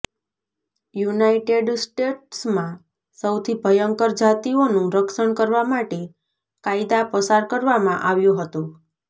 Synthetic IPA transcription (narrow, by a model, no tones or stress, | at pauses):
junaiʈeɖsʈeʈsmã | səwt̪ʰibʱəjəŋkəɾd͡ʒat̪ionũɾəkʃəɳkəɾʋamaʈe | kajd̪apəsaɾkəɾʋamãʔaʋjũɦət̪ũ